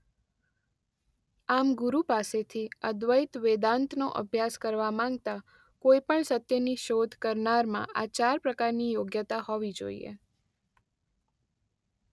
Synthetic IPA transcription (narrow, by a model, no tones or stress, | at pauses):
amɡuɾupaset̪ʰiəd̪ʋəjt̪ʋed̪ãnt̪noʔə̰bʱjaskəɾʋamãŋɡt̪a | koipəɳsət̪jəniʃod̪ʱkəɾnaɾmã̰ʔat͡ʃaɾpɾəkaɾnijoɡjət̪aɦɔʋid͡ʒo̰ḭḛ